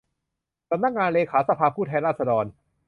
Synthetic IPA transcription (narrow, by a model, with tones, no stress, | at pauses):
sa˧mna˧˥k̚ŋaː˧nleː˧kʰaː˩˦˥sa˧pʰaː˧pʰuː˥˩t̪ʰɛː˧nɾaː˥˩sa˧dɔː˧n